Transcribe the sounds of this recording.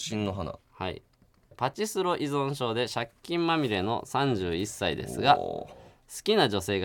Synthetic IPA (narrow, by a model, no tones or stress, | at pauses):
ɕĩnːoɦana̰ha̰ḭ | pat͡ɕisɨɾo̞ʔizõ̞ɰ̃ɕo̞ːd̪e̞ɕakʲːĩmmamʲiɾe̞no̞̰sãɲ̟d͡ʑɨːisːaid̪e̞̰sɨɡa | sɨ̥kʲinad͡ʑo̞se̞ːɡ